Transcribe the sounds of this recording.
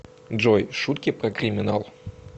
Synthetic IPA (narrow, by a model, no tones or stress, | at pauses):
d͡ʐɔjʂut̪kʲipɾɐkɾʲɨmʲinalˠ